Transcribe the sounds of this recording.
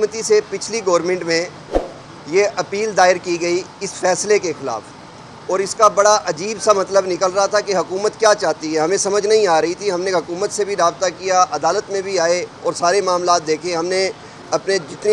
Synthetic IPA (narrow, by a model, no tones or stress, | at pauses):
mət̪isepɪt͡ʃʰliɡɔːɾmẽɳʈmẽ | jeʔɐpiːld̪aːɪɾkiɡɐiɪsfɛːslekexɪla̰ːf | ɔːɾɪskabɐɽaʔɐd͡ʒiːbsamɐt̪ləbnɪkəlɾɐɦat̪ʰakeɦɐkuːmət̪kjaːt͡ʃaːɦt̪iɦɛɦɐmẽsɐməd͡ʒʱnɐɦĩaːɾɐɦit̪ʰiɦɐmneɦɐkuːmət̪sebʱiɾaːb̚t̪akijaʔɐd̪aːlət̪mẽbʱiaːeɔːɾsaːɾemaːmlaːt̪̚d̪eːkʰẽɦɐmne | ɐpned͡ʒɪt̪ni